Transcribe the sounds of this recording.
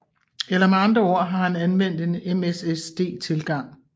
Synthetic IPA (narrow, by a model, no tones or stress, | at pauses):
elɐmeɑ̈nd̥ʁɐɒ̰ɐ̰ɦɑ̈ɦænænʋen̰d̥e̝nemesesd̥e̝̰ːt͡sʰe̝lɡ̥ɑ̈ŋ̰